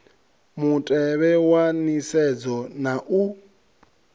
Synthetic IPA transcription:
mutʼɛβɛwanisɛd͡zɔnaʔu

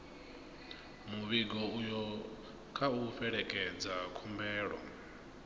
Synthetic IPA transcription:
muβiɡɔujɔ | kʰauɸɛɺɛkʼɛd͡zakʰumbɛːɺɔ̰

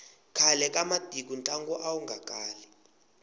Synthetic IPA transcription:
kʰalɛkʼamad̥ʱik̬unt͡ɬʼaŋɡɔʔawuŋɡakʼaːli

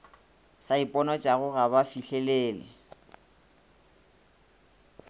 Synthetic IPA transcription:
saipʼɔnɔt͡ʃʼaɣʊɣabafiɬɛleːlɪ̰

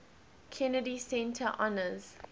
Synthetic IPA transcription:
kʰɛnədisɛ̃ntʰəʔɔnəz̥

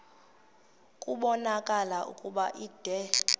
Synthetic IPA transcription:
kʼuɓɔnakʼalaʔṵkʼuɓaʔiːd̥ʱɛ

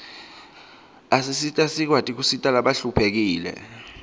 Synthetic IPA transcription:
asisitʼasik̬watʼik̬usitʼalaɓaɬupʰek̬iːlɛ̰

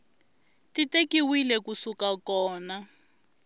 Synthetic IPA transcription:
titekiwilɛkusukakɔːna

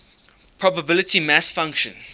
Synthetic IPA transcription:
pʰɹ̥ɔbəbɪlətʰimæsfãŋkʃə̰̃n

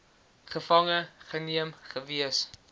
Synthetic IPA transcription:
χəfɐŋəχəniəmχəviəs

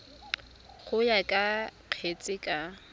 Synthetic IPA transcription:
χʊjakʼaq͡χʰet͡sʼɪkʼa

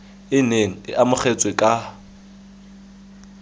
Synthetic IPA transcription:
ɪneŋ̩ɪ̰ʔamʊχet͡sʼwekʼa

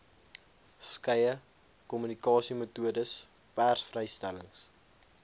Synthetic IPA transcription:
skɛjə | kɔmynikɑːsimətuədəs | pærsfrɛjstæləŋs

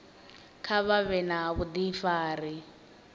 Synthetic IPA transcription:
kʰaβaβɛnaβud̪ifaːɾi

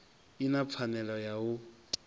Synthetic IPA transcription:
inap̪fʰanɛlɔjaʊtʼ

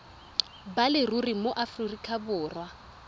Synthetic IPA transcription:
balɪrurimoʔafririkʰʼabʊːrwa

